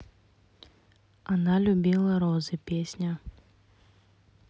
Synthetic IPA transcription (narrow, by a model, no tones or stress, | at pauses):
analʲubʲilˠɐɾɔzɨpʲesʲnʲɐ